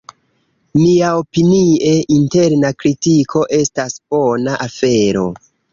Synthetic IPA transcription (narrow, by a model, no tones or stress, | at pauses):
miao̞pinie̞ʔinte̞ɾnakɾitikʰo̞ʔe̞stasb̥o̞naʔafe̞ɾo̞̰